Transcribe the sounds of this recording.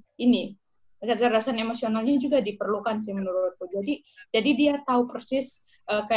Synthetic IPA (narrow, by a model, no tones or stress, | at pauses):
ini | kət͡ʃəɾasanemosionalɲad͡ʒuɡadipərlukans̬ɪhmənuɾʊt̪̚kud͡ʒadi | d͡ʒadidiat̪aupərsɪs | ʔəka